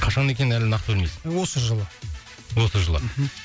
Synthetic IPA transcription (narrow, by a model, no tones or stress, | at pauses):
qʰɑʃɑne̞kʲe̞nɪnælɪnɑqt̪əbɵlmesɪ̥nwo̞səʒəlˠə | wo̞səʒəlˠə̰